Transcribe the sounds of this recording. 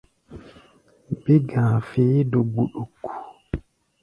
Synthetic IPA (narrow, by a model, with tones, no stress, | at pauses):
bi˦ɡã˨fi˨˦do˨ɡ͡bu˨ɗo˨ku̥˨